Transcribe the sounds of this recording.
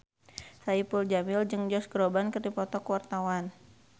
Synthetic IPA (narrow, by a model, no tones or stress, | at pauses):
saipuld͡ʒamɪld͡ʒɨŋd͡ʒɔsɡɾɔbankərdipɔt̪ɔkəwart̪awan